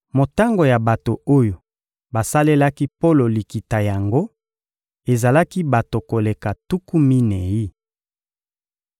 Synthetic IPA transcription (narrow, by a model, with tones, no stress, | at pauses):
mo˨ta˦ŋɡo˨ja˨ba˨to˨o˦jo˨ | ba˨sa˦le˦la˦ki˦po˦lo˨li˨ki˨ta˨ja˨ŋɡo˦ | e˨za˨la˦ki˦ba˨to˨ko˨le˨ka˨tu˦ku˦mi˦ne˨ji˦